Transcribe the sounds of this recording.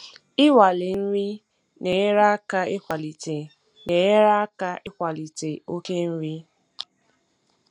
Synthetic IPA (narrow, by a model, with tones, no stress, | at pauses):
ɪ˦wa˨lɪ˨n̩˦ɾi˦ | ne˨˦ɾa˦a˦ka˦ɪ˦kʷa˨li˨te˨ | ne˨˦ɾa˦a˦ka˦ɪ˦kʷa˨li˨te˨o˦ke˦n̩˦ɾi˦